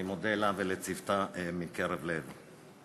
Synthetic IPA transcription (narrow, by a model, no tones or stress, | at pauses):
imod̪elavelet͡sivt̪amikeɾevlev